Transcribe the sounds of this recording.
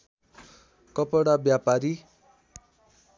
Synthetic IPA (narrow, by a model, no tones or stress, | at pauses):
kʌpʌɽabjapaɾi